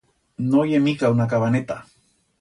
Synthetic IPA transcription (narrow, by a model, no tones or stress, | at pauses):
nojemikawnakaβanet̪a